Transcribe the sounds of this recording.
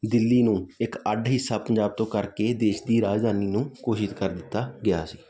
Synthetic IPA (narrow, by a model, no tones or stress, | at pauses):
d̪ɪlːiːnũːɪkəɖɦɪsːaːpəɲd͡ʒaːb̚t̪õːkəɾkeːd̪eːʃd̪iːɾaːd͡ʒd̪ʱaːniːnũːkoːʃɪskəɾd̪ɪt̪ːaːɡɪja̰ːsiː